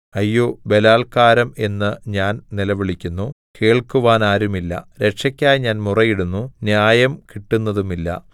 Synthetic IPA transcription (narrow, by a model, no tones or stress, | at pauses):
ɐjːo̞ːbe̞laːlkaːɾɐme̞nːɨɲaːnnilɐʋiɭikʲːunːu | ke̞ːɭkuʋaːnaːɾumilːɐ̰ɾe̞ʈʂɐkʲːaːjɲaːnmurɐjiɽunːunjaːjɐmkiʈːunːɐðumilːɐ̰